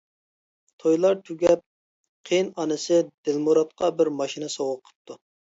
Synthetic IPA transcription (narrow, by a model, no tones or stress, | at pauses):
t̪ʰojlˠɑɾt̪ʰyɡʲɛp̚ | qʰenɑnɨsɪd̪̥ɪlmuɾɑt̪̚qɑbɪɾmɑʃinɨsowʊqʰə̥p̚t̪ʰu